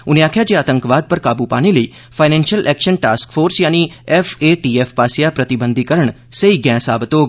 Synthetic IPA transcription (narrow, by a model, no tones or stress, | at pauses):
ʊniaːkʰjad͡ʒeaːt̪ə̃ŋkʋaːd̪̚pəɾkaːbupa̰ːneləiː | fʰaɪnɛ̃nʃjəlʔɛkʃənʈa̰ːskfoːɾsjaːniɛfʰeʈiefpasjapɾət̪ibə̃nd̪ʱikəɾəɳ̃ | səiɡɛ̃ːsa̰ːbt̪oːɡ